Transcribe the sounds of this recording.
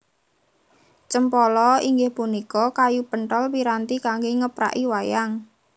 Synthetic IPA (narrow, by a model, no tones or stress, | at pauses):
t͡ʃəmpɔlɔiŋɡɪhpunikɔkajupəɳʈəlpiɾant̪ikaŋɡeŋəpɾa̰ʔiwajaŋ